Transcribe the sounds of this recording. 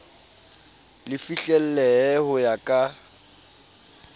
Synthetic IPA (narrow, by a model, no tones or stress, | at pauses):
lɪfiɬɛl̩lɛhʊjakʼa